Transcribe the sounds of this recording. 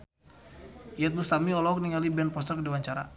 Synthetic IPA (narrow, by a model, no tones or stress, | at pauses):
ijɛt̪̚bust̪amiɔlɔɔk̚niŋalibɛnpɔst̪ərkdiwaɲt͡ʃaɾa̰